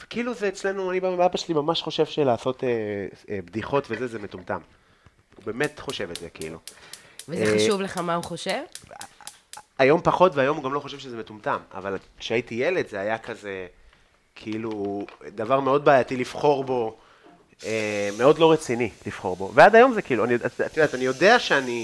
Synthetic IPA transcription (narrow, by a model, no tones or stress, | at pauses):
ve̥kiiluzeːt͡sle̞nuanibaaabaʃelimamaʃχo̞ʃe̞vʃelaːso̞teebd̪iχo̞tvezezemetumta̰m | ṵbe̞ːmetχo̞ʃe̞vezekiḭlṵvezeχaʃuvleχamauχoʃev | ajo̞mpaχo̞tveajo̞muɡamloχo̞ʃevʃezemetumtama̰valkʃeaitijeledzeajakʰaze̞ | kʰiilud̪avaʁme̞o̞d̪̚baːjatilifχo̞ʁbo̞ | emeo̞dlo̞ʁet͡sinilifχo̞ʁbo̞veadajo̞mzekiiluaniatat̪jodeat̪anijo̞deaʃeani